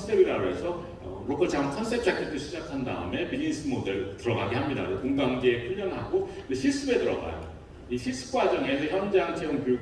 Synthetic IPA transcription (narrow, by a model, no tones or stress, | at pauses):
sʰebiɾaɾoɦe̞sʰʌ | ɾokʰʌɭt͡ɕamkʰʌns͈ʰep̚ʰt͡ɕ͈akʰit͈ʰoɕʰid͡ʑakʰanda̰ɯ̰me̞bid͡ʑins͈ʰɯmode̞ɾtɯɾʌɡaɡehamɲida̰okoŋɡaŋɡeepʰuɭːʌnɦaɡoneɕʰis͈ɯbe̞tɯɾʌ̰ɡa̰jo̰ | iɕʰis͈ɯ̥ɡ͈wad͡ʑʌŋe̞sʰʌçjʌnd͡ʑeat͡ɕʰeuŋkou